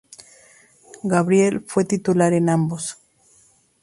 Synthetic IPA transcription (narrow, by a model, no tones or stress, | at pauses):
ɡaβɾjelfwet̪it̪ulaɾenambos